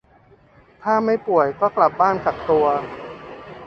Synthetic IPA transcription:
t̪ʰaː˥˩ma˥˩jpu˨˩əjkɔː˥˩kla˨˩p̚baː˥˩nt͡ɕa˨˩k̚t̪u˧ɐ

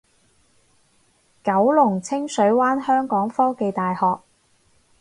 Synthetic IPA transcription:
kɐ˨˥wlʊ˨˩ŋt͡sʰɪ˥ŋsɵ˨˥ɥwaː˥nhœː˥ŋkɔː˨˥ŋfɔː˥ke˨jt̪aː˨jhɔː˨k̚

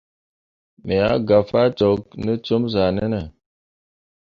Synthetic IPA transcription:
me˨a˦ɡa˨fa˦t͡ʃɔ˨k̚nə˦t͡ʃo˦mza˨nə˦nə˨

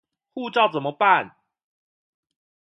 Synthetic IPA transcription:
xu˥˧ʈ͡ʂɑ˥˨ʊt͡sə˨˩mə˦pa˥˨n

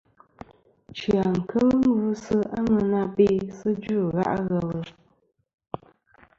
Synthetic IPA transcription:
t͡ʃɰa˨ŋ̩˨kə˦lŋ̩˦ɡu˦sɨ˦ʔa˦ŋɨ˨na˦be˦sɨ˦d͡ʒu˦˨ɣa̰˦ʔɣə˨lə˨

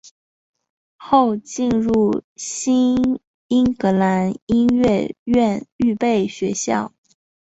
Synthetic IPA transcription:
xo˥˧ʊt͡ɕi˥˧nɻu˥˩ɕi˥n | i˥ŋkɤ˧˥la˧˥ni˥nɥɛ˥˧ɥɛ˥˧ny˥˧pe˥˩ɪɕɥɛ˧˥ɕjɑ̰˥˩ʊ

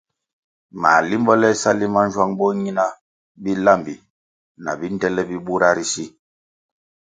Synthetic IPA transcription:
ma̰˨li˦mbɔ˦lɛ˦sa˦li˦ma˦n˦d͡ʒwa˦ŋbɔ˦ɲi˦na˦ | bi˦la˦˨mbi˨ | na̰˨bi˦n˦dɛ˦lɛ˦bi˦ɓu˦ɾa˦ɾi˦si˦

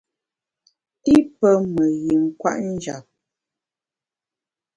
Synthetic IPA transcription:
i˦pə˦mə˨ɣi˨ŋ̩˨kwa̰˦ʔn̩˦d͡ʒa̰˨p̚

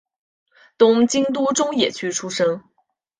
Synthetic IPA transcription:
t̪ʊ˥ŋt͡ɕi˥ŋt̪u˥ʈ͡ʂʊ˥ŋjɛ̰˨˩t͡ɕʰy˥ʈ͡ʂʰu˥ʂɤ˥ŋ

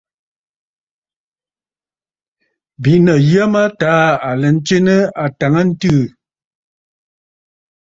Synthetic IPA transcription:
bi˨ʔnə˨jə˦ma˦taː˨˦a˨lə˨n̩˦t͡ʃe˦nə˦a˨ta˨ŋə˦n̩˦tɨ˦˨

